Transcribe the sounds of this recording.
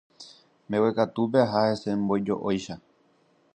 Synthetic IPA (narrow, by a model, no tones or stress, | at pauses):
mẽwekat̪upeaɦahe̞se̞mbo̞jd͡ʒo̞̰ʔojʃa